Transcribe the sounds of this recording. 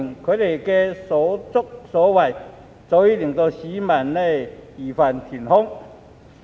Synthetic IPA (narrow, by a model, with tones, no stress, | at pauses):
ŋkʰø˨˧˥t̪e˨˩jke˧sɔ˨˥t͡sʊ˥k̚sɔː˨˦wa˨˩j | t͡sɔ˧˦wi˦˥li˨˩ŋt̪o˧ɕi˨˦ma˨˩nːe˧iː˨˩fa˨˩nt̪ʰi˨˩nhɔ˥ŋ